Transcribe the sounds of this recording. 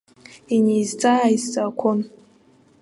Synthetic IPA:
inizt͡sʼaizt͡sʼakʷʰon

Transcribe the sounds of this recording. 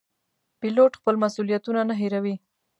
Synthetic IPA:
piloʈxpəlmasulijat̪unanaɦeɾawi

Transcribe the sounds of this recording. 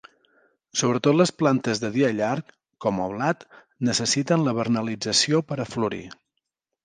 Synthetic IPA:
soβɾət̪ot̪ləsplant̪əzðəð̞iəʎarkː | ɔmə̰βlat̪ | nəsəsit̪ənləβərnəlid͡zəsiopəɾəfluɾḭ

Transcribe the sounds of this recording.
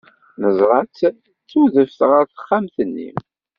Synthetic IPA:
nəzˤɾˤɑt͡sː | t͡sːuðəfθʁəɾθə̥χːamθənːḭ

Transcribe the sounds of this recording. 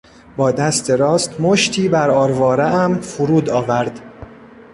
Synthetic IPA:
bɒːd̪æst̪ʰe̞ɾɒːst̪moʃt̪ʰiːbæɾɒːɾvɒːɾeʔæmfuɾuːd̪ɒːvæɾd̪̥

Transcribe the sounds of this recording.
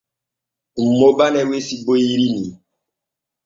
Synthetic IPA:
m̩mobanɛwesiboiɾini

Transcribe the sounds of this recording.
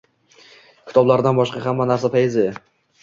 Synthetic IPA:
kʲʰɪ̥t̪ʰɒblaɾd̪anbɒʃqɑhamːanaɾsapʰajɪzɪ

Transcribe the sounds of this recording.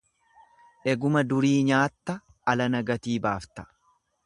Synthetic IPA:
ʔɛɡʊmɐd̪ʊɾiːɲaːt̪ːɐ | ɐlɐnɐɡɐt̪iːbaːft̪ɐ̥

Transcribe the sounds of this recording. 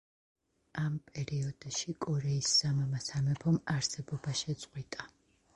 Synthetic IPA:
ampʼɛɾiɔd̪ʃikʼɔɾɛisːamamasamɛpʰɔmaɾsɛbɔbaʃɛt̪sʼqʼwit̪ʼa

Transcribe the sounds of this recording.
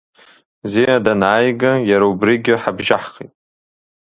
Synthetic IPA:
zeadanʕaːjɡajaɾaubriɡʲɪħabʒaħχḭtʼ

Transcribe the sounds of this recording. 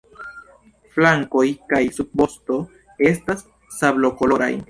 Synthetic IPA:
flaŋko̞jkajsub̚bo̞sto̞ | e̞stasː | ablo̞ko̞lo̞ɾa̰j

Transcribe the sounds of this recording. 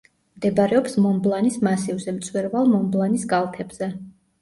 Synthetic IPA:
md̪ɛbaɾɛɔpsmɔmblˠanismasivzɛmt̪sʼwɛɾvalˠmɔmblˠanisɡalˠt̪ʰɛbz̥ɛ

